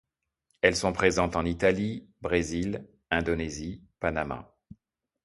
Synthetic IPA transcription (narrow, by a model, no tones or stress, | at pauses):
ɛlsɔ̃pχezɑ̃t̪ɑ̃nit̪alibʁezil | ɛ̃d̪ɔnezipanama̰